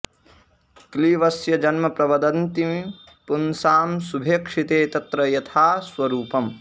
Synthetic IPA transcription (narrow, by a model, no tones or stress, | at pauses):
kliʋɐsjɐd͡ʒɐnmɐpɾɐʋɐd̪ɐnt̪im | punsaːmsubʱeːkʂit̪eːt̪ɐt̪ɾɐjɐt̪ʰaːsʋɐɾuːpɐm